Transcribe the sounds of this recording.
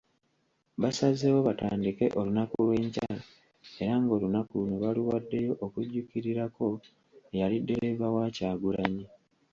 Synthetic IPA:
βasazewoβata̰ːndike̞ʔo̞lunakulwe̞ːɲcaːla | e̞ɾaŋɡo̞lunakuneβaluwadːe̞jo̞ʔokuɟːukiɾiɾako̞ | ejalidːe̞ɾe̞βawaːcaːɡulaɲi

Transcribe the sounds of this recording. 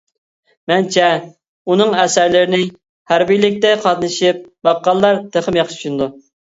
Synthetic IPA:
mɛnt͡ʃʰɛ | unɨŋɛsæɾlɪɾɪnɪ | hæɾbilɪk̚ʲt̪ɛqʰɑt̪nɨʃip̚bɑqːɑlˠːɑɾt̪ʰeχəmjɑχʃʰt͡ʃʰunɨd̪u

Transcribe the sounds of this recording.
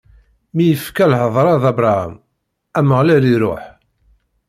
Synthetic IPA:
mijəfkælhəðˤɾˤɑðɑbɾˤɑhæ̰m | æməʁlæliɾo̰ħ

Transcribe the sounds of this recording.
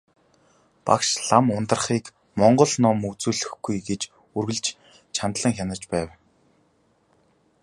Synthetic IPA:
pa̰kʃɮamʊnt̪ə̆rχiːk | mɔɴɢɞ̆ɮnɔmɵt͡suːɮɘ̆xɡujɡet͡ɕ | urɣɘ̆ɮt͡ɕ | t͡ɕʰant̪ɮə̆ŋxʲanə̆r̥t͡ɕpæːw

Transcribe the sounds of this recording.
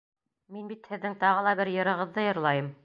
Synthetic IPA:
minbit̪hɘ̆ðːɘŋt̪ɑʁɤ̆lˠɑbɘɾjɤ̆ɾɤ̆ʁɤ̆ðːɤjɤ̆ɾlˠɑjɤm

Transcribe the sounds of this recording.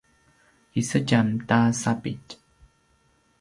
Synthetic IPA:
isəcamtasapit

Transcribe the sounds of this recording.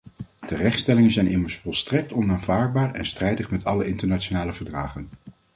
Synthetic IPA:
tərɛχtstɛlɪŋənzɛjnʔɪməɹsfɔlˠstrɛk̚tɔnaːnvaːɹd̚baːɹɛ̰nstrɛjdəχmɛtɑləɪntəɹnat͡ʃonaːləvəɹdraːχən

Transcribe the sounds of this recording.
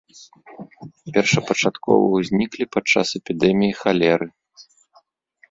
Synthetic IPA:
pʲɛrʂɐpɐt͡ʂat̪kɔ̰vɐ̰wzʲnʲiklʲipat͡ʂa̰sɛpʲid̪ɛmʲijixalʲɛɾɨ

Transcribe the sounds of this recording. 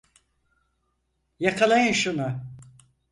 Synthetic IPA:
jakʰalˠajɯnʃunʊ

